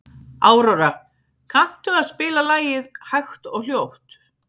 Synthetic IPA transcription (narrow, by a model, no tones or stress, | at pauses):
aːwɾawɾa | kʰan̥t̪ʏaðspɪːlalaːjɪðhaɥxt̪ɔɣljowht̪